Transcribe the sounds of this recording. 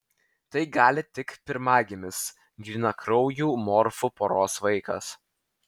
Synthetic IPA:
t̪ɐɪɡɑːlʲɪt̪ʲɪkpʲɪɾmɑːɡʲemʲɪs | ɡʲɪnɐkɾɒʊjuːmɔɾfʊpoɾoːsʋɐɪkɐ̰s

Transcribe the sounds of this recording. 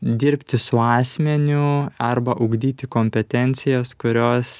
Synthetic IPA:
d̪ʲɪɾʲpʲt̪ʲɪsʊɑːsʲmʲɛnʲʊɐɾbɐʔʊɡd̪ʲiːt̪ʲɪkoːmʲpʲɛt̪ʲɛnʲt̪sʲɪjɛskʊɾʲoːs

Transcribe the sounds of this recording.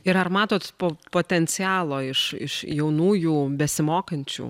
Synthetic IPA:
ɪɾɐrmɑːt̪oːt̪poːpoːt̪ʲɛnʲt͡ssʲɪɑːlˠoːɪʃɪ̰ʃjɛʊnuːjuːbʲɛsʲɪmoːkɐnʲt͡ʃʲṵː

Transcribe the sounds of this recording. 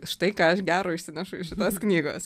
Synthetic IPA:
ʃt̪ɐɪkɑːɐʃɡʲæːɾoːɪʃʲsʲɪnʲæʃʊɪʃʲɪt̪oːsknʲiːɡo̰ːs

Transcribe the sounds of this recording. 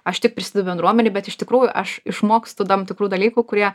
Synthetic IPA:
ɐʃt̪ʲɪkpɾʲɪsʲɪd̪ɐʊbʲɛnd̪ɾuɔmʲɛnʲeɪbʲɛt̪ɪʃt̪ʲɪkɾuːjʊʔɐʃɪʃmoːkst̪ʊd̪ɐmt̪ʲɪkɾuːd̪ɐlʲiːkʊkʊɾʲiɛ

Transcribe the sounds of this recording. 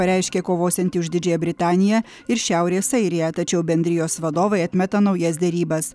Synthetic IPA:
ɐɾʲɛˑɪʃʲkʲeːkoːʋoːsʲɛnt̪ʲɪʊʒd̪ʲɪd͡ʒʲɛːjɛbʲɾʲɪt̪ɑːnʲɪjɛ | ɪɾʃʲæˑʊɾʲeːsɐɪɾʲɪjɛt̪ɐt͡ʃʲɛʊbʲɛnʲd̪ʲɾʲɪjoːsʋɐd̪oːʋɐɪɐt̪ʲmʲɛt̪ɐnɒʊjɛsd̪ʲɛɾʲiːbɐs

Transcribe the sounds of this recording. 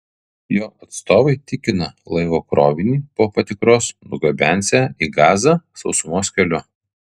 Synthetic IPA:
joːʔɐt̪st̪oːʋɐɪt̪ʲɪkʲɪnɐlˠɐɪʋoːkɾoːʋʲɪnʲiːpoːpɐt̪ʲɪkɾoːsnʊɡɐbʲæˑnʲˑsʲæiːɡɑːzɑːsɒʊsʊmoːsʲkʲɛlʲʊ

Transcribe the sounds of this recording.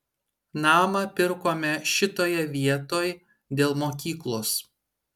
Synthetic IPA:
nɑːmɐpʲɪɾkoːmʲɛʃʲɪt̪oːjɛʋʲiɛt̪oːj | d̪ʲeːlˠmoːkʲiːklˠos

